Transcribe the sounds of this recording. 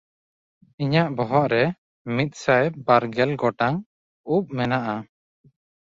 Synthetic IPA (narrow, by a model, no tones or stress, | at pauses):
iɲaʔbɔɦɔʔɾɛ | mit̪̚ˀsajbaɾɡɛlɡɔʈaŋ | up̚mɛnaʔa